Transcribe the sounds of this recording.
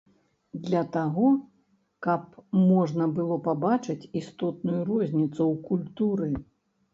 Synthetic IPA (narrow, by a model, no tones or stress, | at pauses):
d̪lʲɐt̪aɣɔ | kɐp̚mɔʐnɐbɨlˠɔpabat͡ʂɨt͡sʲist̪ɔt̪nujuɾɔzʲnʲit̪sɐwkulʲt̪uɾɨ